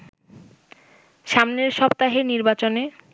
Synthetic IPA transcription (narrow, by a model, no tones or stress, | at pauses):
ʃamneɾʃɔbt̪aɦeniɾbat͡ɕone